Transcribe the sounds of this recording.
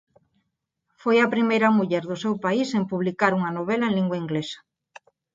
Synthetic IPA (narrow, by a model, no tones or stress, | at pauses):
fojɐpɾimejɾɐmuʎɛɾðʊsewpaisempuβ̞likaɾuŋɐnoβelɐẽnliŋɡwaiŋɡlesɐ̥